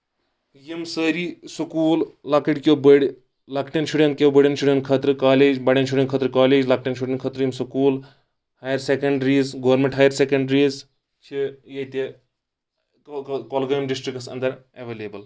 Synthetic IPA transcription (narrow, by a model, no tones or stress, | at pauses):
jimsəːɾisukuːllakiʈkʲowbəɽʲ | lɐkʈɐnʃuɖɐnt̪̚kʲewbəɽʲɐnsuɖʲen̚kʰɐt̪ɾɨkaːleːd͡ʒbɐɽʲenʃ̬uɖenkʰəːt̪ɾɨkaːleːd͡ʒlɐk̚ʈɐnʃ̬uɖʲɐ̃nkʰət̪ɾjimsukuːl | haːjɐɾsekɐɳɖɾiːzɡɐʋɐɾmẽɳʈɦaːjɐɾsekɐɳɖɾiːz | t͡ʃʰijɐt̪e | kolɡɐjmɖisʈɾiksɐ̰nd̪ɐɾɐʋeːleːbɐl